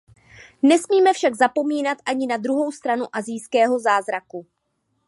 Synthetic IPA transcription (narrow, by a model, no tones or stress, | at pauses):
nɛsmiːmɛfʃaɡzapo̞miːnat̪ʔaɲɪnad̪ɾuɦo̞wst̪ɾanuʔazɪjskɛːɦo̞zaːzɾaku